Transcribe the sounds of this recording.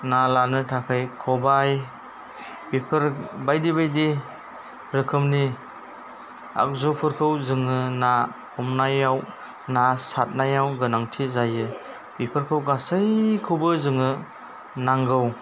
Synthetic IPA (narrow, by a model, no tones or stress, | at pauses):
nalanɯtʰakʰajkʰɔbaj | bipʰɯɾbajdibajdi | ɾɯkʰɯmni | a̰k̚zupʰɯɾkʰɯwzɯŋɯnapʰɔmnajaw | nasat̚najawɡɯnaŋtʰizajɯ | bipʰɯɾkʰɯwɡasɯjkʰɯwbɯzɯŋɯ | naŋɡɯw